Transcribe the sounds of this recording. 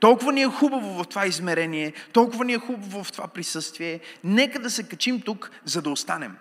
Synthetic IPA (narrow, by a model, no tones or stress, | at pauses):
t̪ɔlˠkʊvɐniɛxubɐvʊvɐft̪ovaizmɛɾɛniɛt̪ɔlˠkʊvɐniɛxubɐvʊvft̪ovapɾisɤst̪viɛnɛkəd̪ɐsɛkɐt͡ʃimt̪ukzɐd̪ɐost̪anɛm